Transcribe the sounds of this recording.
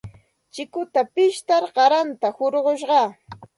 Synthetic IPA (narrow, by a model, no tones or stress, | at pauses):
t͡ʃɪkʊt̪apɪʃt̪aɾɢɑɾant̪ahoɾɢoʃ̬ɢɑ